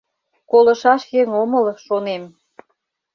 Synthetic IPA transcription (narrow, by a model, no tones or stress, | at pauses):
kolə̆ʃɑʃjeŋoməlʃonem